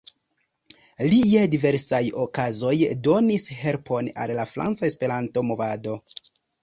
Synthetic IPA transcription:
lijedive̞ɾsajokazo̞jdo̞nishe̞ɾpʰo̞na̰lːafɾa̰nt͡sae̞spe̞ɾanto̞mo̞vado̞

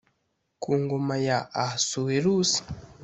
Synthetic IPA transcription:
kuŋɡomajaʔasuweɾusi̥

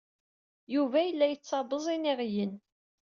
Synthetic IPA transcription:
juvæjəlːæjət͡sːɑðˤəzˤiniʁjən

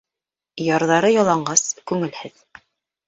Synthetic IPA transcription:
jɑɾðɑɾɤjɑlˠɑɴɢɑskʉŋɘlhɘð

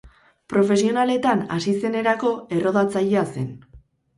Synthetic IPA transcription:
pɾo̞fe̞sio̞nale̞t̪ana̰sise̞ne̞ɾako̞e̞ro̞ðat͡sajease̞n

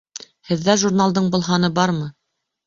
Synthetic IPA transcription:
hɘ̆ðːæʒuɾnalˠd̪ɤɴbŏlˠɦɑnɤbɑɾmɤ

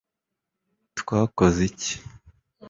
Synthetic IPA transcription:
tkwaːkozici̥

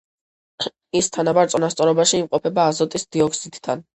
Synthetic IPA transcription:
ist̪ʰanabaɾt̪sʼɔnast̪sʼɔɾɔbaʃiːmqʼɔpʰɛbaːzɔt̪ʼisd̪̥iɔkʰsit̪ʼd̪ʰa̰n

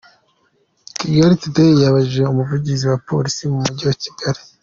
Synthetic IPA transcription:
ciɡaɾitutaijaβaʒeumuvuɟiziwapo̞̰ːɾisimumuɟiwaci̥ɡ̥aɾi

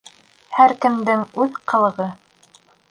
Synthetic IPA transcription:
hæɾkɘ̆md̪ɘŋʉðqɤ̆lˠɤ̆ʁɤ

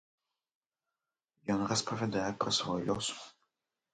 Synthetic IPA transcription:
jɔnrɐspɐvʲɛd̪ajɛpɾɛsvɔjlʲɔs

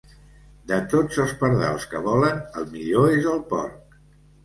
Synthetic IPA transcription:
d̪ət̪od͡zəlˠspəɾðɛ̰lˠskəβɔlənəlˠmiʎoezəlˠpɔ̰ɾk

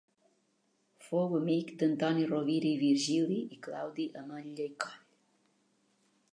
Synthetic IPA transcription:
fowəmikd̪ənt̪ɔniroβiɾiβiɾʒiliʔikla̰wd̪iʔəməʎːəjkɔʎ

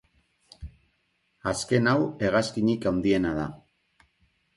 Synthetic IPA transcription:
aske̞nawe̞ɣaskiɲikawnd̪ie̞naða

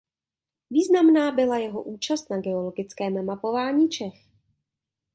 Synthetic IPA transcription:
viːznamnaːbɪlajɛɦo̞̰ʔuːt͡ʃast̪naɡɛo̞lo̞ɡɪt͡skɛːmmapo̞vaːɲiːt͡ʃɛx

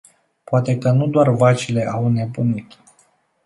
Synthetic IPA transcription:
poat̪e̞kənud̪oarvat͡ʃile̞ʔawne̞bunit̪

